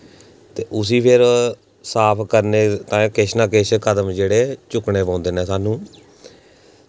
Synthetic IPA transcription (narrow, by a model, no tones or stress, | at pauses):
t̪eːʔʊs̬iːpʰɪɾ | saːpʰkəɾneːt̪ãːkɪʃnãːkɪt͡ʃkəd̪əmd͡ʒeːɽeːt͡ʃʊkɳeːpãːnd̪eːnɛ̃ːsaːnũː